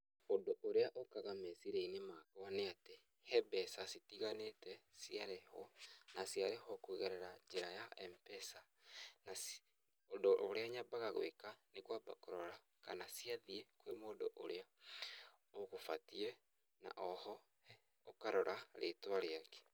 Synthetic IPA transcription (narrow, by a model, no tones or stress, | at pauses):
ondoʔoɾeaʔokaɣamesiɾeinemakawaneate | hɛbɛsasitiɣanetɛsiaɾehɔnasjaɾehɔkueɣɛɾɛɾaɲd͡ʒeɾajaɛmpɛsa | nas | ondoʔoɾeaɲabaɣaɣwekanekwaba̰koɾɔɾa | kanasiaðiekwemoːdoʔoɾea | oɣofatiɛ | na̰ʔɔhɔ | okaɾɔɾʔaɾetwaɾeake̥